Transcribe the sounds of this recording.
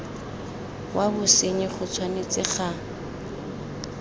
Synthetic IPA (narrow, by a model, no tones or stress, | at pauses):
wʔabʊseɲɪχʊt͡sʰwanet͡sʼɪχa